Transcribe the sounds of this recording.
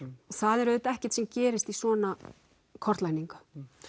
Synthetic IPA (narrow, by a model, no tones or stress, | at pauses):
ɔθaðɛɾœðʏt̪ɛhcɛ̥t̪sɛmcɛːɾɪst̪isɔːna | kʰɔr̥t̪lajniŋkḁ